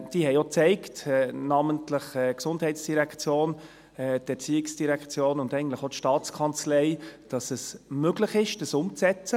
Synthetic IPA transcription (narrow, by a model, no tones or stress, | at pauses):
d̥iɦɛɪot͡sɛɪktɛnɑməntləχɛksʊndhɛɪtsd̥iɾɛkt͡sjoːn | ɛtɛɾt͡siɪksd̥iɾɛkt͡sjoːnʊndɛɪɡən̩tləχotʃtɑːt͡skʰɑnt͡slɛɪd̥ɑsəsmøɡləχɪʃd̥əsʊmt͡sɛt͡sə